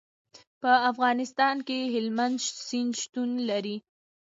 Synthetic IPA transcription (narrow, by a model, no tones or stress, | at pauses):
pəafɣɑnɪst̪ɑnkeɦɪlmand̪ʃsind̪ʃt̪unlaɾi